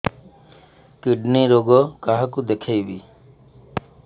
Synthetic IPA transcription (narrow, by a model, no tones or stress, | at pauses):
kiɖniɾoɡɔkaɦakud̪ekʰajbi